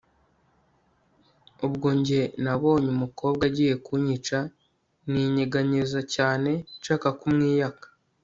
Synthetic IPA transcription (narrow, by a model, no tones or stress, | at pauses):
ubɡoːɲɟe̞naβo̞ːɲumuko̞ːb̚ɡaɟiːje̞kuɲit͡ʃa | niɲeɡaɲizacaːne̞t͡ʃaːkakumŋiːjakḁ